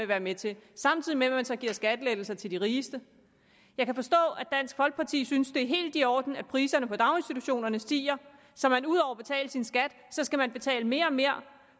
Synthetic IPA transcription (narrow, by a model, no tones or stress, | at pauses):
eʋæːɐmet͡sʰe̝sɑ̈mt͡sʰið̰ˠimeʋæmænsɒ̽ɡ̥iɐsɡ̥æd̥led̥l̩sɐt͡sʰe̝ld̥iʁiːsd̥ə | jɑ̈ɪkʰæfɒ̽sd̥ɔ̰̽ːæ̥d̥æn̰sɡ̥fɒ̽lɡ̥̚pʰɑ̈t͡sʰḭːsynsd̥e̝æɐɦe̝̰ːld̥iɒ̰ːd̥n̩æ̥pʰʁiːsɐnəpʰɒ̽d̥ɑ̈ʊe̝nsd̥it͡sʰuɕo̝̰ːnɐnəsd̥ḭːɐ | sɒ̽mænuð̞ˠɒʊ̰ɐb̥e̝t͡sʰɛ̰ːləsinsɡ̥æd̥ | sɒ̽sɡ̥æmænb̥e̝t͡sʰɛ̰ːləme̝ːɐɒ̽me̝ɐ̰